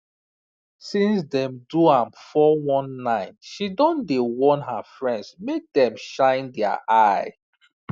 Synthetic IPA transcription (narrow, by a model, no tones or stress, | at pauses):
sĩnsdɛ̃mduãmfɔwɔ̃nːãɪ̃nʃidɔ̃ndewɔ̃nɦafɹɛ̃ndsmek̚dɛ̃mʃãɪ̃ndɛa̰ʔaɪ